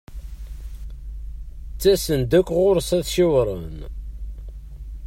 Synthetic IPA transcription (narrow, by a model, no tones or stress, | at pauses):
t͡sːæsənd̪ækʷːʁʊɾsæðʃiwɾˤə̰n